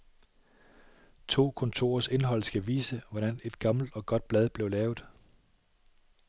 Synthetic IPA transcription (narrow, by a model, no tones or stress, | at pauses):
t͡sʰo̝̰ːkʰɒ̽nt͡sʰo̝̰ːɐse̝nɦɒ̽l̰sɡ̥æʋḭːsəʋɒɾ̥æne̝d̥ɡ̥ɑ̈ml̩d̥ɒ̽ɡ̥ɒ̽d̥̚b̥lɛð̞ˠb̥le̝ʊlɛːʊð̩ˠ